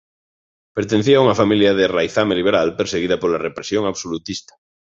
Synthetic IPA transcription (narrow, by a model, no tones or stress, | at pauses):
peɾt̪enθiauŋafamiljað̞erajθameliβeɾalpeɾseɣ̞iðapolarepɾesjõŋaβsolut̪ist̪ḁ